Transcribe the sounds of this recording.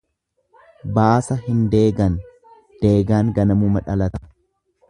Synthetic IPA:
baːsɐɦɪnd̪e̞ːɡɐn | d̪̥e̞ːɡaːŋɡɐnɐmumɐᶑɐlɐt̪ɐ̥

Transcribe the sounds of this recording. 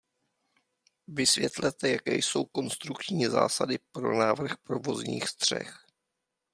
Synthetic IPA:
vɪsvjɛt̪lɛt̪ɛjakɛ̰ːjso̞wko̞nst̪ɾukt͡ʃɲiːza̰ːsadɪpɾo̞naːvr̩xpɾovo̞zɲḭːxst̪r̝̥ɛ̰x

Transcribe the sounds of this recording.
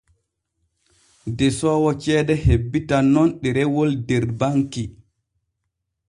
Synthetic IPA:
dɛsɔːwɔt͡ʃɛːdɛhebːitanːɔnɗɛɾɛwɔldɛɾbaŋki

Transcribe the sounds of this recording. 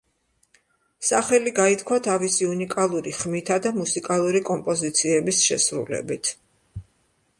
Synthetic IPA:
saχɛliɡait̪ʰkʰwat̪ʰavisiunikʼalˠuɾiχmit̪ʰad̪amusikʼalˠuɾikʼɔmpʼɔzit̪sʰiɛbisʃɛ̰sɾṵlɛ̰bit̪ʰ

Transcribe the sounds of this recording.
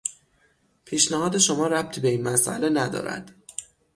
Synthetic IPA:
pʰiːʃnæhɒːd̪e̞ʃo̞mɒːɾæb̥̚t̪ʰiːbe̞iːnmæsʔæ̰le̞næd̪ɒ̰ːɾæ̰d̪̥

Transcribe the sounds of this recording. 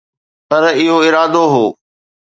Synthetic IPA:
pɐɾɪɦoɪɾaːd̪oɦoː

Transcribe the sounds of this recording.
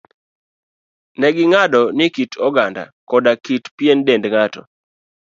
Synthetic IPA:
nɛɡɪŋadɔnɪkitɔɡanda̰kɔdakitpjendendŋatɔ̰

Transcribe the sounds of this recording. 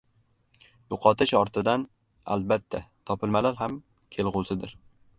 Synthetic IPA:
jʊqʰɒt̪ʰɪʃɒɾt̪ʰɪd̪an | a̰lbat̪ʰːat̪ʰɒpɪlmalaɾɦam | kʲʰe̞lˠʁʊzɪd̪ɪɾ

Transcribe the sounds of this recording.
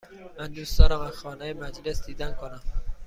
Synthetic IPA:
mænd̪uːst̪ɒːɾɒmænxɒːnɛjemæd͡ʒlesd̪iːd̪ænkʰonæm

